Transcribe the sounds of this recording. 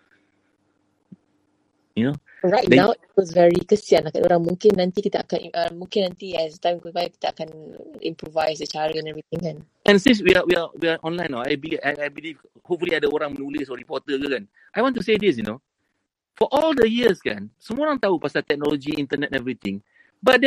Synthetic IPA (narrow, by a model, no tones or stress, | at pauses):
juno | ɹajtdɛãwit̚wɔsvɛɹikəsianaka̰doɾãŋmũŋkɪnːãnt̪ikit̪əʔa̰kan̰ʔəmũŋkɪ̃nãnt̪iɛsət̪ãj̃mikɔpajakit̪əa̰kanḭ̃mpɹɔvajsdət͡ʃaɹəɛ̃nɛvɹit̪̚ɪ̃ŋkan | ʔɛ̃nsĩns̬wiawiawiaʔɔ̃nlãj̃nɔa̰jbilia̰jajbiliv | hop̚fuliadəoɾãŋmənulisɔɹipɔt̪əkəkãn | ʔajwɔ̃ntusedis̬juno̰ | fɔʔɔldəjiəskã̰nsəmɔɾãŋt̪aupasat̪ɛk̚nɔlɔd͡ʒiĩnt̪ənɛtɛvɹit̪ɪ̃ŋ | bat̚d